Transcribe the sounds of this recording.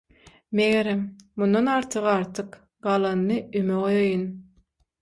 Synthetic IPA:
meɣeɾemmunːɑnɑɾt̪ʰɯʁɑɾt̪ʰɯq | ɢɑlˠɑnːɯymeʁojɑjɯn

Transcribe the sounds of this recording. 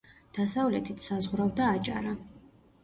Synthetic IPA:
d̪̥asavlɛt̪ʰit̪ʰsazʁɾavd̪aːt͡ʃʼaɾa

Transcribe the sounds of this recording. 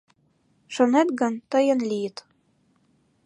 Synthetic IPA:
ʃonet̪ɡɑnt̪ɤjɤ̆nlʲijt̪

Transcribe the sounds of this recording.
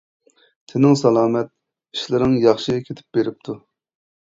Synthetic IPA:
t̪ʰɪnɪŋsɑlˠɑːmɛt̪̚ | iʃlɪɾnɪŋjɑχʃiɡʲɛkʲʰet̪ʰɪ̥p̚b̥eɾɪp̚t̪ʰu

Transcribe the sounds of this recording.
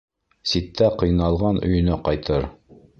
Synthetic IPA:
sit̪ːæqɤ̆jnɑlˠʁɑnɵ̰̆jɵ̆næqɑjt̪ɤɾ

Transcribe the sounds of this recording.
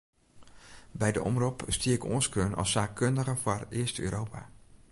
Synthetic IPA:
bɛjdəʔɔ̰mrupstiəko̰ənskøːnʔɑ̰lˠsaːkøndəɣəforɪəstø̰ːɾʔowpa̰

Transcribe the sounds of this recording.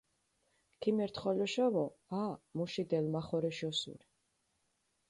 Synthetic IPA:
kʰimɛɾt̪ʰχɔlɔʃavɔamuʃid̪ɛlmaχɔɾɛʃɔsṵɾi̥

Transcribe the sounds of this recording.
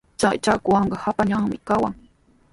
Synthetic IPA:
t͡ʃajt͡ʃakʊwɑɴɢɑhapaʎaŋmɪkawaŋ

